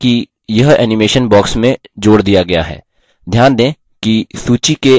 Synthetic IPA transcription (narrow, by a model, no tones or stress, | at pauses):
ki | jɐɦɛ̰ːnɪmeːʃənbɔːksmẽd͡ʒoːɽd̪ijaɡɐja̰ɦɛ̰ː | d̪ʱjaːnd̪ẽː | kisuːt͡ʃike